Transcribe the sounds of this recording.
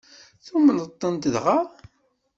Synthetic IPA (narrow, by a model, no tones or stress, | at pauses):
θumənət̪ˤːənt̪əðʁa